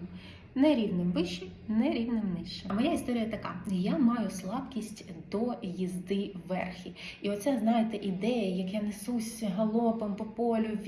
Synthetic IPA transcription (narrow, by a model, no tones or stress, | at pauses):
nɛɾʲiwnɪmbɪʃt͡ʃːinɛɾʲiwnɪmnɪʃt͡ʃɛmɐjaist̪ɔɾʲijɐt̪ɐkɑjamɑjʊslˠɑpkʲisʲtʲd̪ɔjizd̪ɪʋːɛrxʲiiɔt̪sɛznɑjɪt̪ɛʔid̪ɛjɐjɐkjanɛsusʲɦɐlˠɔpempɔpɔlʲʊʋʲ